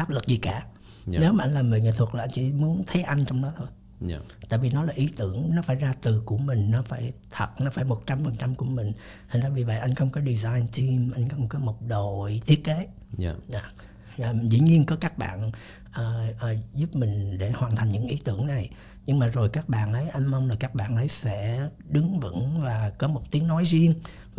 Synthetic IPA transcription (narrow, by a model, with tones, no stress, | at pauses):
ʔaː˦˥p̚lɨ˨˩k̚zi˨˩kaː˧˩ | ne˨˦wmaː˨ʔa˧ŋ̟laː˨˩məː˨˩ŋḛː˧˨t̪ʰə˨˩k̚laː˨˩ʔa˧jŋt͡ɕḭ˧˩mu˨˦ənt̪ʰə˨˦jʔa˧jŋt͡ɕɔ˧wŋ͡mɗɔ˨˦t̪ʰo˧j | t̪a̰ː˧˨jvi˨˩nɔ˨˦laː˨˩ʔi˨˦t̪ɨ˧˩əŋnɔ˨˦faː˧˩jzaː˧t̪ɨ˨˩ku˧˩əmï˨˩ŋ̟nɔ˨˦faː˧˩jt̪ʰə˨˩t̚nɔ˨˦faː˧˩jmo˨˩t̚t͡ɕa˧mfə˨˩nt͡ɕa˧mku˧˩əmï˨˩ŋ̟t | t̪ʰŋ̟zaː˧˩vi˨˩və̰˧˨jʔa˧jŋ̟xə˧wŋ͡mkɔ˨˦ɗi˨˩zaː˧jnt͡ɕ̪i˧mʔa˧jŋ̟kɔ˨˧˦mo˨˩kaː˨˦jmo˨˩p̚ɗo˧˨jt̪ʰi˦˥ət̚ke˨˦˧ | aː˨˩˨ | zḭ˧˩˥ɲi˧ənkɔ˨˦kaː˦˥k̚ɓa̰ː˧˨n | ʔəː˨˩ʔəː˨˩zu˦˥p̚mï˨˩ŋ̟ɗe˧˩hwaː˨˩nt̪ʰa˨˩ŋɲɨ̰˧˥ŋʔi˨˦t̪ɨ˧˩əŋna˨˩j | ɲɨ˧ŋmaː˨˩zo˨˩jkaː˦˥k̚ɓa̰ː˧˨nʔə˨˦jʔa˧mmə˧wŋ͡mlaː˨˩kaː˦˥k̚ɓa̰ː˧˨nʔə˨˦jsɛ̰˧˥ | ɗɨ˨˦ŋvɨ̰˧˥ŋvaː˨˩kɔ˨˦mo˨˩t̚t̪i˨˦əŋnɔ˨˦jzi˧ən